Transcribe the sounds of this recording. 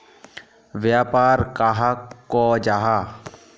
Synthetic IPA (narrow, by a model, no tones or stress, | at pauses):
ʋjaːpaːɾkaːɦakːoːd͡ʒaːɦa